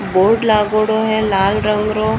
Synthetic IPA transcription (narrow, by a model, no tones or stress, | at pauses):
boːɾɖlaɡoɽoɦɛlaːlɾəŋɡɾo